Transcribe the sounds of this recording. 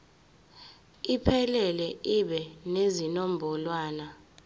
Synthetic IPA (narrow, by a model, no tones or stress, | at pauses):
ipʰɛlɛlɛiɓɛnezinombʱɔlwaːna